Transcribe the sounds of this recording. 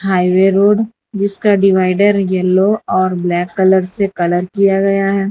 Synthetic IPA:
ɦaːɪʋeɾoːɖ | d͡ʒɪskaɖɪʋaːɪɖəɾjɛlːoɔːɾblɛːkːɐləɾsekɐləɾkijaɡɐjaɦɛː

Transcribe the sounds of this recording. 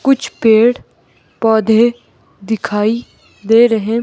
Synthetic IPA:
kʊt͡ʃʰpeːɽ | pɔːd̪ʱe | d̪ɪkʰaːi | d̪eːɾəɦẽ

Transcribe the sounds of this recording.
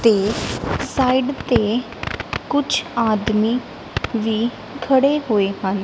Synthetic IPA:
t̪eːsaːiɖt̪eː | kʊt͡ʃʰaːd̪miː | ʋiː | kʰəɽeːɦoːeːhən

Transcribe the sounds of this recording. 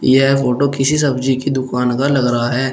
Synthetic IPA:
jɛɦɛfoːʈokɪsis̬ɐbd͡ʒikid̪ʊkaːnkalɐɡɾɐɦaɦɛː

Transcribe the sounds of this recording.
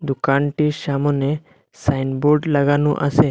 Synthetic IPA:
d̪ukanʈiɾʃamɔne | sajnboɾɖlaɡanuʔa̰sʰe

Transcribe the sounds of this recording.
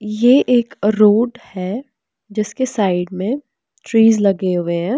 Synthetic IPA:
jeʔeːkɾoːɖhɛː | d͡ʒɪskesaːɪɖmẽ | ʈɾiːzlɐɡeɦʊeɦɛ̃ː

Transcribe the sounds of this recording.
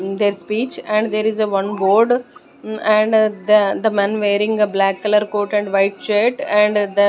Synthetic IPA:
d̪eːɾspiːt͡ʃɛ̃ɳɖd̪eːɾɪzeʋʌ̃nboːɾɖ | ɛ̃ɳɖd̪əd̪əmɛ̃nʋeːɾɪ̃ŋɡeblæːkːɐləɾkoːʈɛ̃ɳɖʋaɪʈ̚t͡ʃeʈɛ̃ɳɖd̪ə

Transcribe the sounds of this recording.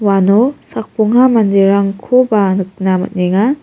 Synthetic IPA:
wanosak̚puŋɦamandiɾaŋkʰobanɯk̚namɐ̰t̚neŋa

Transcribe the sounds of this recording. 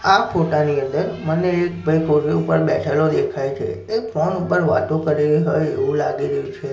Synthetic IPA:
afʰoʈaniə̃nd̪əɾməneːkbʱəjkʰoʈiupəɾbɛt͡ʃʰalod̪ekʰajt͡ʃʰḛefʰɾɔnupəɾʋa̰t̪okəɾiliɦojeʋũlaɡiɾəjũt͡ʃʰe

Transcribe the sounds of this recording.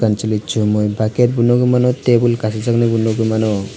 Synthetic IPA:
kant͡ɕolitːt͡ʃʰumojbʱakeɾbunːoɡumanot̪ebulkasat͡ʃaknebunːoɡumano

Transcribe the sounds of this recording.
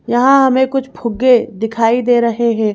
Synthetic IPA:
jɐɦãɦɐmẽkʊt͡ʃʰpʰʊɡːed̪ɪkʰaːid̪eːɾɐɦeɦɛ̃ː

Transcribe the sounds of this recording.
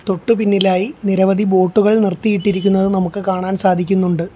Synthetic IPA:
t̪o̞ʈːupinːilaːjiniɾɐʋɐd̪ʱibo̞ːʈːuɣɐɭnirt̪ijiʈːiɾikʲːunːɐðɨnɐmukːɨkaːɳaːnsaːd̪ʱikʲːunːuɳɖɨ

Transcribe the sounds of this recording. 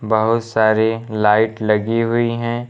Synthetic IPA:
bɐɦʊt̪saːɾilaːɪʈlɐɡiɦʊiɦɛ̃ː

